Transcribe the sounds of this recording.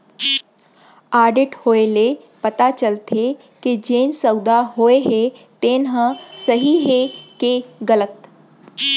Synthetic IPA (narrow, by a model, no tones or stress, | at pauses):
aːɾɖɪʈhoːele | pɐt̪at͡ʃəlt̪ʰe | ked͡ʒeːnsəʊd̪aɦoːeɦet̪eːnɦə̃sɐɦiɦekeɡələt̪